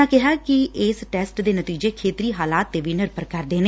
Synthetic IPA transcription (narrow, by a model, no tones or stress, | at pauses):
ãːkɪɦaːkɪɪsʈɛːsʈd̪eːnət̪iːd͡ʒeːkʰeːt̪ɾiːɦaːlaːt̪ːeːʋiːnɪɾpəɾkəɾd̪eːneː